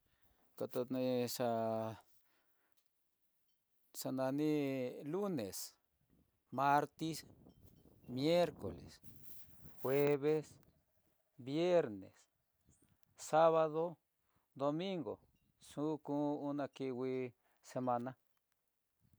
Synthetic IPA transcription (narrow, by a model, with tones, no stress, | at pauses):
ka˧t̪o˧nĩ˧ʂa˧ | ʂa˧nã˧nĩ˦lu˦ne˨s | mã˧ɾt̪i˦s | mje˦ɾko̰˨lḛ˨s | xwe˦βe˦s | βje˦ɾnḛ˨s | sa˦βa˧ðo˦ | d̪o˧mĩ˦ŋɡo̰˨ | sũ˦kũ˦u˦nã˧ki˧wi˧ | se˧mã˧nã˦